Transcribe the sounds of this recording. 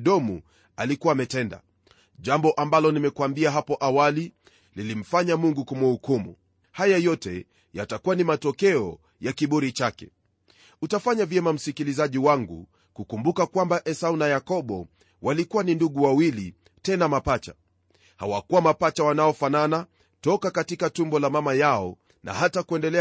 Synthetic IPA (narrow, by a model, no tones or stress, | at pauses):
ɗɔmu | alikuwamɛtɛnda̰ | ʄambɔʔambalɔnimɛkwambiaɦapɔʔawali | lilim̩faɲamuŋɡukumuhukumṵ | hajajɔtɛ̰ | jatakuwanimatɔkɛɔ̰ | jakiɓuɾit͡ʃakɛ̰ | utafaɲavjɛmam̩sikilizaʄiwaŋɡṵ | kukumbukakwambaʔɛsaunajakɔɓɔ | walikuwaninduɠuwawili | tɛnamapat͡ʃa̰ | ha̰wakuwamapat͡ʃawanaɔfanana | tɔkakatikatumbɔlamamajaɔ | nʔa̰hatakuɛndɛlɛ